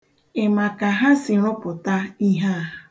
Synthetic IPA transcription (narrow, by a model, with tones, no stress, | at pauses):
ɪ˨ma˨ka˨ɦa˦sɪ˨ɾʊ˦pʊ˨ta˦i˦ɦa˦˨a˨